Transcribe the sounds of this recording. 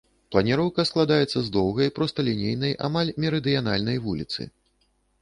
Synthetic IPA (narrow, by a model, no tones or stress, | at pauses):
plˠɐnʲɛɾɔwkɐsklˠad̪ajɛt̪sːɐzd̪ɔwɣɐjpɾɔst̪ɐlʲinʲejnɐjʔa̰malʲmʲɛɾɨd̪ɨjan̪a̰lʲnɐjvulʲit̪sɨ̰